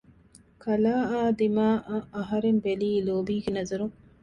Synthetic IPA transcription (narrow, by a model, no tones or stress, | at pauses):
kʰɐlaːaːd̪imaːʔɐʔɐɦɐɾembeliːloːbiːɡenɐzɐɾuŋ